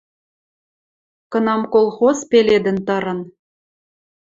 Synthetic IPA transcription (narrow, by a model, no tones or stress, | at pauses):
kɤ̆nɑmkolˠxozpeled̪ɘ̆nt̪ɤ̆ɾɤ̆n